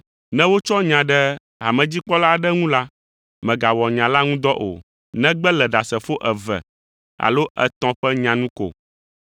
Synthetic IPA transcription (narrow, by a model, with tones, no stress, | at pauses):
nɛ̃˦wo˦t͡ʃɔ˦ɲã˨ɖɛ˦ | a˨mɛ̃˨d͡ʑi˦k͡pɔ˦la˦ɖɛ˦ŋũ˦la˦ | mɛ̃˨ɡa˨wɔ˨ɲã˨la˦ŋũ˦d̪ɔ˦ʔo̰˨ | nɛ̃˦ɡ͡bɛ˦lɛ˨ɖa˨sɛ˨fo˦ʔɛ˨vɛ̰˨ | a̰˨lo˦ʔɛ̰˨t̪ɔ̃˨ɸɛ˦ɲã˨nũ˦ko̰˨